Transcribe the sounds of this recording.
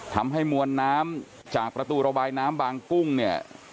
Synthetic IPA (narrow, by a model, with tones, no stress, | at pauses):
t̪ʰa˧mɦə˧jmuənːaː˧m | t͡ɕaː˨k̚pra˧t̪uːɾɔɓaːjnaː˧mɓaːŋku˧ŋni˩əʔ